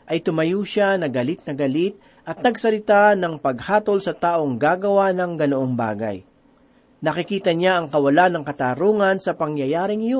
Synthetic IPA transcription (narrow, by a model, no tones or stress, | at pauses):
ʔɐjt̪ʊmɐjuːʃanɐɡɐlit̪̚nɐɡɐlit̪̚ | ʔɐt̪̚nɐɡsɐlɪt̪anɐŋpɐɡ̚haːt̪o̞lsɐt̪aːʔo̞ŋɡaːɡɐwanɐŋɡɐnoʔo̞ŋba̰ːɡɐ̰j | nɐkɪkiːt̪ɐɲaʔɐŋkɐwɐlanɐŋkɐt̪aɾuːŋɐnsɐpɐŋjɐjaːɾɪŋɪjo